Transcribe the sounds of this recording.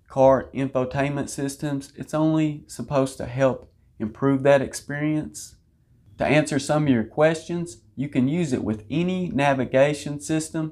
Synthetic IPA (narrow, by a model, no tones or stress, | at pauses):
kʰɑɹɪ̃ɱfətʰẽɪ̃nmɨ̃ntsɪstɨ̃mzɨtsõʊ̃nlisəpʰoʊz̥tʰɨ̰ɦɛlˠp | ɨ̃mpʰɹ̥ʉvðɨɾɨkspɪɹiɨ̃ns | tʰɨ̰ʔæ̃nsə˞sʌ̃mʌvjə˞kʰw̥ɛst͡ʃɨ̃nz̥ | jɨkɨ̃njʉzɨ̰ʔwʔɨðɛninævɨɡeɪʃɨ̃nsɪstə̃m